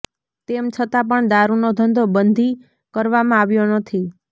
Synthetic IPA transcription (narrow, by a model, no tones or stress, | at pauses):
t̪emt͡ʃʰət̪ap̬əɳd̪aɾunod̪ʱənd̪ʱobənd̪ʱi | kəɾʋamãaʋjonət̪ʰi